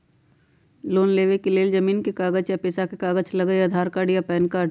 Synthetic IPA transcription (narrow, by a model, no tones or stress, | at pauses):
loːnleːʋekeleːld͡ʒɐmiːnkekaːɡət͡ʃjapɪsakekaːɡət͡ʃlɐɡəjɐd̪ʱaːɾkaːɖjapɛːnkaːɖ